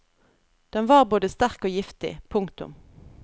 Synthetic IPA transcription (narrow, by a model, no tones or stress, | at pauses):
d̪̥ɛnʋɑːʁboːd̪əst̪æʁkoːjɪft̪ɪ̰pʰʊŋkt̪ʊ̰m